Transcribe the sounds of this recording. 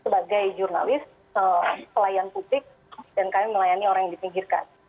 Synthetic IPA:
səbaɡajd͡ʒurna̰lɪs | əmpəlajanpublɪk̚ | dankamiməlajanioɾaŋjaŋdipiŋɡirka̰n

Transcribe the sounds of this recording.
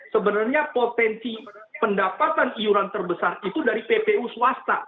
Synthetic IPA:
səbənarɲapot̪ɛnsi | pəndapat̪aniuɾant̪ərbəsarit̪udaɾipepeusuast̪a

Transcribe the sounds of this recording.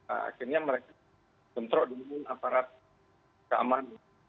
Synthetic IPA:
a̰a̰kirɲaməɾeka | bənt̪ɾɔʔdəmmʊnapaɾat̪̚ | kaa̰man

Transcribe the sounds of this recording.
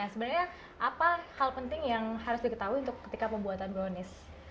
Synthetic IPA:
asəbənərɲa | ʔapahalpənt̪ɪŋjaŋhaɾʊsdikət̪auiunt̪ʊkːə̥t̪ikapəmbuat̪anbɾonɪs

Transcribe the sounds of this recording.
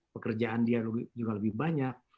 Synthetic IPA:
pəkərd͡ʒaandialəbd͡ʒuɡaləbɪhbaɲak̚

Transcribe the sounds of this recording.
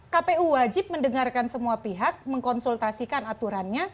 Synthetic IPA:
kapeuwad͡ʒɪp̚məndəŋarkansəmuapiɦak̚məŋkɔnsult̪asikanat̪uɾanɲa

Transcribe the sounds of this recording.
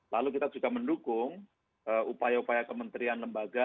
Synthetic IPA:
lalukit̪ad͡ʒuɡaməndukʊŋ | ʔəupajaupajakəmənt̪ɾianləmbaɡa

